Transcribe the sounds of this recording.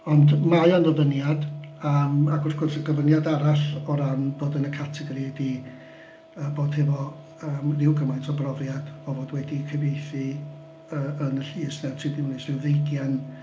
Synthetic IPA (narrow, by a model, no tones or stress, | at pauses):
ɔndmajɔnðɔvənjadamaɡʊrθɡ̥ʊrθəɡəvənjadaɾaɬɔɾanb̥oːdənəkʰatʰɛɡɾidi | əːboːd̥hɛvɔ | əːmrɪwɡəmajntʰɔbrɔvjad̥ɔvoːdwɛdikʰəvejθi | əənəɬiːsnɛtʰidɪwnɪsɪwðejɡjan